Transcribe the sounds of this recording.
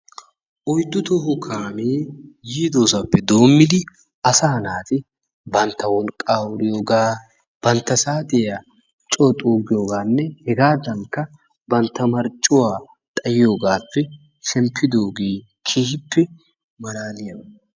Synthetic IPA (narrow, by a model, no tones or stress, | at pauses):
ʔɔjd̪ʊt̪ɔɦʊkʰaːmeːjiːd̪oːsapːɛd̪o̞ːmːɪd̪ɪ | ɐsaːnaːt̪ɪ | bɐnt̪ːɐwɔlkʼaːwʊɾɪjoːɡaː | b̥ɐnt̪ːɐsaːd̪ɛa | t͡ʃʼoːt̪ʼoːɡɪjo̞ːɡaːnːɛhɛɡaːd̪ɐŋkːɐ | bɐnt̪ːɐmɐɾt͡ʃʼːʊwaː | t̪ʼɐjɪjo̞ːɡaːpːɛ | ʃɛmpʰːɪd̪oːɡeː | kʰiːhɪpːɛ | mɐɾaːnɪjɐm